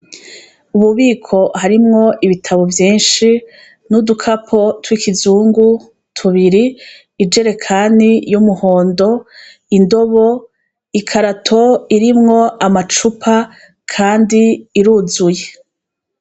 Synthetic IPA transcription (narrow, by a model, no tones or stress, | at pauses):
uβuβiːkʰo̞haɾimŋo̞ʔiβitʰaβovjiːnʃi | nudukʰapʰo̞twiːkizuːŋɡu | tʰuβiɾiː | d͡ʒe̞ɾe̞kʰanijumuhoːndo̞ | indo̞βo̞ | ikʰaɾatʰo̞iɾimŋo̞amat͡ʃupʰa | kʰaːndiːɾuːzuje̞